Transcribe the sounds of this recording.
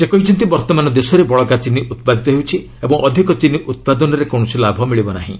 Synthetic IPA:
sekɔɦit͡ʃint̪ibɔɾt̪ɔmanɔd̪esɔɾebɔɭɔkat͡ʃinːiʔut̪̚pad̪ʱit̪ɔɦewt͡ʃʰi | ebɔŋʔɔd̪ʱikɔt͡ʃiniʔut̪̚pad̪ɔnɔɾekɔ̃ɔsilabʱɔmiɭibɔna̰ɦḭ̃

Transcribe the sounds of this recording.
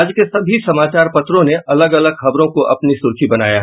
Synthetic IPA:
aːd͡ʒkesɐbʱisɐmaːt͡ʃaːɾpɐt̪ɾõneʔɐləɡɐləɡxɐbɾõkoʔɐ̰pnisʊɾkʰibɐna̰ːjaɦ

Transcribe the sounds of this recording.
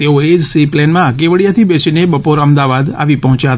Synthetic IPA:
t̪eoed͡ʒsiplɛnmãkeʋəɽjat̪ʰibet͡ʃʰinebəpoɾəmd̪aʋad̪a̰ʋipɔɦɔ̃t͡ʃjaɦət̪

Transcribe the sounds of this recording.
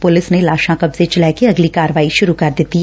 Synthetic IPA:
pʊlɪsnelaːʃãkɐbzet͡ʃɐlaːkeɐɡlikaːɾəʋaːiʃʊɾukɐɾd̪eːt̪i

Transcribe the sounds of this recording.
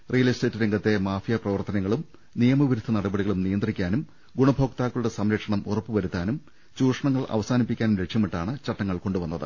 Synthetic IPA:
rijɐliste̞ːtːɨɾeŋɡɐt̪ːe̞maːfijɐprɐʋɐrt̪ɐnɐŋːɐɭum | nijɐmɐʋiɾud̪ʰʱːɐnɐɽɐbɐɽiɣɐɭumnijɐnd̪rikʲːaːnum | ɡuɳɐbʱo̞ːk̚t̪aːkːuɭɽe̞sɐmɾɐkʂɐɳɐmurɐpːuʋɐɾut̪ːaːnum | t͡ɕuːrʂɐɳɐŋːɐɭɐ̰ʋɐsaːnipːikʲːaːnumɾekʂjɐmiʈːaːɳɨt͡ɕɐʈːɐŋːɐɭko̞ɳɖuʋɐnːɐðɨ̰

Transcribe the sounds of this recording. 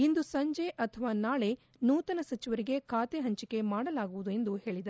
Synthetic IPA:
ind̪usɐɲd͡ʒeʔɐt̪ʰɐʋaːnaːɭe̞ | nuːt̪ɐnɐsɐt͡ʃiʋɐɾiɡe̞kʰaːt̪eɦɐɲt͡ʃike̞maːɽɐlaːɡuʋud̪ue̞nd̪uhe̞ːɭid̪ɐɾ

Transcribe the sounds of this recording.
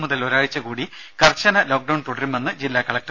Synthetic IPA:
muðɐloɾaːɻit͡ɕːɐkuːɽi | kɐrt͡ɕːɐnɐlo̞ːk̚ɖɐwɳt̪uɽɐɾumenːɨd͡ʑilːaːkɐɭɐk̚ʈ

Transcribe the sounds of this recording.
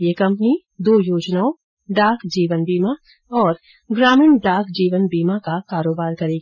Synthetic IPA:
jekɐ̃mpni | d̪oːjoːd͡ʒnaːo | ɖaːkd͡ʒiːʋənbiːma | ɔːɾ | ɡɾaːmɪːɳɖaːkd͡ʒiːʋənbiːmakakaːɾoːbaːɾkɐɾẽːɡ

